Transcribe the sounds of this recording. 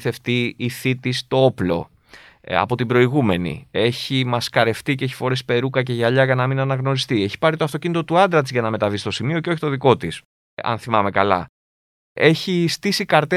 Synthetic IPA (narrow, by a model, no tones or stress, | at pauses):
θe̞ft̪iiθit̪ist̪o̞o̞plo̞̰ | ɐ̰po̞t̪ibɾo̞iɣume̞nḭe̞çimɐskɐɾe̞ft̪iceeçi̥fo̞ɾe̞spe̞ɾukɐce̞ʝɐʎɐʝɐnɐminɐnɐɣno̞ɾist̪ie̞çi̥pɐɾit̪oɐft̪o̞cinit̪o̞t̪uɐnd̪ɾɐt̪izʝɐnɐme̞t̪ɐvist̪o̞simio̞ceo̞çi̥t̪o̞ðiko̞t̪is | ɐ̰nθimɐme̞kɐlɐ̰ | e̞çist̪isikɐɾt̪e